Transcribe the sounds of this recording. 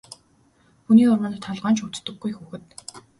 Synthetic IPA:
xuniːʊrmə̆nt̪ʰːaɮʁaːnt͡ɕut͡st̪ɵ̆ɡːujxuːxɘ̆t̪

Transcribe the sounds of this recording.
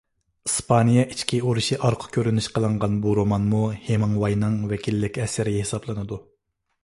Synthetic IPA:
ispʰɑnijɛʔit͡ʃkʲʰioɾuʃiʔɑɾqʰʊ̥kʲʰøɾynyʃqʰəlˠɨɴʁɑnbuɾomɑnmuhemɨŋwɑjnɨŋwɛkʲʰilːɪkʲɛsɪɾɪhesɑblˠɨnɨd̪u

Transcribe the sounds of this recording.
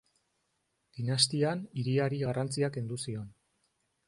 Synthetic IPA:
d̪̥inast̪ianiɾiaɾiɣarʔant͡siake̞nd̪usio̞n

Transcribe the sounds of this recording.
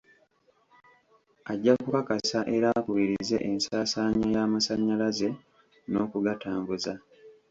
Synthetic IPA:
aɟːakukakasaʔe̞ɾakuβiɾize̞̰ʔensaːsaːɲajaːmasaɲːalaze̞ | no̞ːkuɡataːmbuza

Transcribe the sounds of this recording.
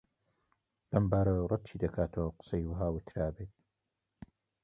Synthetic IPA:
lɐmbaːɾɐrˤɑt̪̚t͡ʃʰiːd̪ɐkʰaːt̪ʰɐwqɨ̥sejwɐɦaːwɪt̪ʰɾaːbeːt̪̚

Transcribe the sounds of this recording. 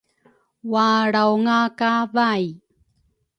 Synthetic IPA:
waɽawŋakavaj

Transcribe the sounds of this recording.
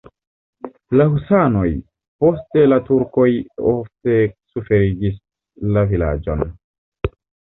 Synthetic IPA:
lahusano̞j | po̞ste̞latuɾko̞jofte̞sufe̞ɾid͡ʒis | lavila̰d͡ʒo̞̰n

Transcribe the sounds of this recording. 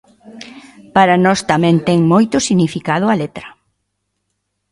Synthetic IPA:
paɾɐnɔst̪amɛ̃nt̪ɛŋmojt̪ʊsiɣnifikað̞ʊɐlet̪ɾɐ

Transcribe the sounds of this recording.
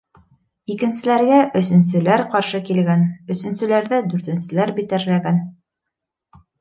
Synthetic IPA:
ikɘ̆nsɘ̆læɾɡæʔɵ̆s̬ɵ̆ns̬ɘ̆læɾqɑɾʃɤkilɡænɵ̆sɵ̆nsɘ̆læɾðæd̪ʉɾt̪ɘ̆nsɘ̆læɾbit̪æɾlæɡæn

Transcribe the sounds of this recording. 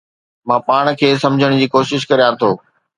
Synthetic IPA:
mãːpaːɽ̃kʰeːsɐ̃md͡ʑʱəɽ̃d͡ʑiːkoːʃɪʃkɐɾijãt̪ʰoː

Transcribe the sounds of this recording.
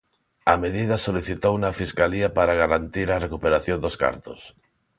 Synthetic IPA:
ameðið̞ɐsoliθit̪ownɐfiskaliɐpaɾaɣ̞aɾant̪iɾarekupeɾaθjõnd̪oska̰ɾt̪os

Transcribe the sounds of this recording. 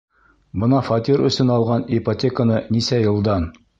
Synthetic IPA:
bɤnɑfɒt̪iɾɵ̰̆sɵnɑlˠʁɑnɪpotʲekənɤnisæjɤ̆lˠd̪ɑn

